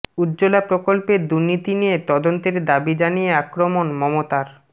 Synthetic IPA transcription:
udd͡ʑolapɾokolpeɾd̪uɾnit̪inijet̪ɔd̪ont̪eɾd̪abid͡ʑanijeakɾomonmɔmot̪aɾ

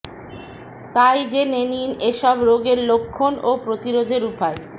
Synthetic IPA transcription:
t̪ajd͡ʑenenineʃɔbɾoɡeɾlokʰːonopɾot̪iɾod̪ʱeɾupae

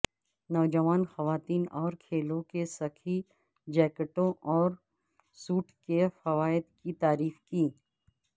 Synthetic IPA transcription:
nɔːd͡ʒəʋaːnxɐʋaːt̪iːnɔːɾkʰeːlõkesɐkʰi | d͡ʒɛːkəʈõʔɔːɾ | suːʈʰkefɐʋaːɪd̪kit̪aːɾiːfkiː

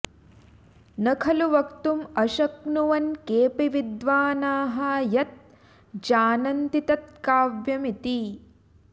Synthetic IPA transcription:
nɐkʰɐluʋɐkt̪umɐʃɐknuʋɐnkeːpiʋid̪ʋaːnaːɦɐjɐt̪̚ | d͡ʒaːnɐnt̪it̪ɐt̪̚kaːʋjɐmit̪i

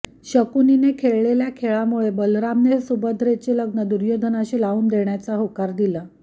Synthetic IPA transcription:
ɕəkuninekʰeɭɭeljakʰeɭamuɭebəlɾamnesubəd̪ʱɾet͡ɕeləɡnəd̪uɾjod̪ʱənaɕiːlauːnd̪eɳjat͡saɦokaɾd̪ila

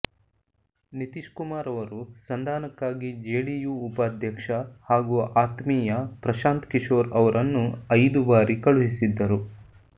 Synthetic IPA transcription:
nit̪iʃkumaːɾɐʋɐɾusɐnd̪ʱaːnɐkːaːɡid͡ʒeːɭijuːpaːd̪ʱjɐkʂɐhaːɡuɐʔaːt̪miːjɐpɾɐʃaːnt̪kiʃo̞ːɾɐʋɐɾʔɐnːuɐjd̪ubaːɾikɐɭuɦisid̪ːɐɾu

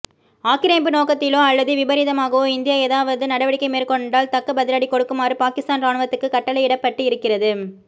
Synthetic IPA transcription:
aːkɪɾeːmbɯnoːkɐt̪ːɪlõːɐlːɐðɯʋɪbɐɾɪðɐmaːɣɐʋõɪnd̪ɪjaeːðaːʋɐðɯnɐɽɐʋɐɽɪkːɐɪmeːrkɔɳɖaːlt̪ɐkːɐbɐðɪɾaːɽikɔɽɯkːɯmaːɾɯpaːkɪst̪aːnɾaːɳɯʋɐt̪ːɯkːɯkɐʈːɐlɐɪɪɽɐpːɐʈːɯɪɾɯkːɪrɐðɯ

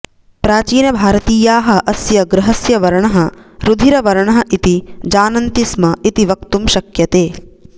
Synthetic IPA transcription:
pɾaːt͡ʃiːnɐbʱaːɾɐt̪iːjaːɦɐ̆ʔɐsjɐɡɾɐɦɐsjɐʋɐɾɐɳɐɦɐɾud̪ʱiɾɐʋɐɾɐɳɐɦɐʔit̪id͡ʒaːnɐnt̪ismɐit̪iʋɐkt̪umʃɐkjɐt̪eː

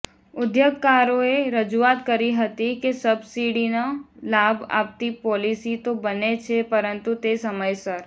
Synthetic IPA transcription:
ʊd̪joɡkaɾõeɾəd͡ʒuaːt̪kəɾiɦət̪ikesəbsiɽinalaba̰ːpt̪ipɔːlisit̪obənet͡ʃʰepəɾənt̪ut̪esəməjsəɾ

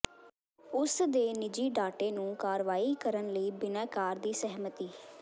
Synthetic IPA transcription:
ʊsd̪eːnɪd͡ʒiːɖaːʈeːnũːkaːɾʋaːiːkəɾənləiːbɪnɛ̃ːkaːɾd̪iːsəɦmət̪iː

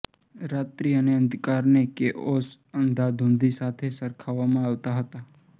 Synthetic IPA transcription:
ɾat̪ɾiəneə̃nd̪ʱkaɾnekeʔos | ənd̪ʱad̪ʱõnd̪ʱisat̪ʰesəɾkʰaʋamãaʋt̪aɦət̪a

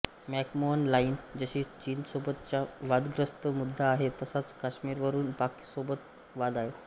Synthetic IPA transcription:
mɛkmoənlaind͡zəɕiːt͡ɕiːnsobət̪t͡ɕjaʋad̪ɡɾəst̪əmud̪ʱːaːɦet̪əsat͡skaɕmiːɾʋəɾuːnpaki̥sobət̪ | ʋad̪aɦe

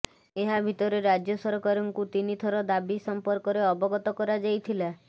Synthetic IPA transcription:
eɦabʱit̪ɔɾeɾad͡ʒjɔsɔɾɔkaɾɔŋkut̪init̪ʰɔɾɔd̪abisɔmpɔɾkɔɾeɔbɔɡɔt̪ɔkɔɾad͡ʒajt̪ʰila

